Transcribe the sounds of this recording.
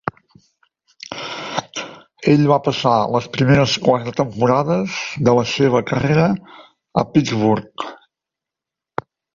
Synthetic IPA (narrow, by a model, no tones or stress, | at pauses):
eʎβapəsaləspɾimeɾəskwat̪ɾət̪əmpuɾaðəzd̪ələseβ̞əkəreɾə | ə̰pid͡zβuɾk